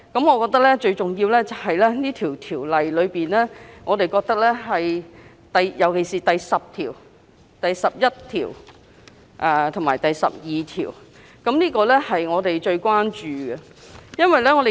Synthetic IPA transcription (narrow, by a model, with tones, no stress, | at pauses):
kɐ˨˥mŋɔː˨˧kɔː˧k̚t̪ɐ˥k̚lɛː˥t͡ʃɵ˧ɥt͡sʊ˨ŋjiː˧wlɛː˥t͡sɐ˨˩wɦɐ˨jlɛː˥niː˥t̪ʰiː˨˩wt̪ʰiː˨˩wlɐ˨jlɵ˨˧ɥpiː˨nlɛː˥ŋɔː˨˧t̪e˨jkɔː˧k̚t̪ɐ˥k̚lɛː˥ɦɐ˨j | t̪ɐ˨jjɐ˨˩wkʰe˨˩siː˨˩t̪ɐ˨jsɐ˨p̚t̪ʰḭː˨˩w | t̪ɐ˨jsɐ˨p̚jɐ˥t̚t̪ʰḭː˨˩w | ʔɛː˨t̪ʰʊ˨˩ŋmaː˨˩jt̪ɐ˨jsɐ̰˨p̚jiː˨t̪ʰḭː˨˩w | kɐ˨˥mniː˥kɔː˧lɛ˥hɐ˨jŋɔː˨˧t̪e˨jt͡ʃɵ˧ɥkʷaː˥nt͡ʃyː˨ɡɛ˧ | jɐ˥nwɐ˨jlɛː˥ŋɔː˨˧t̪e˨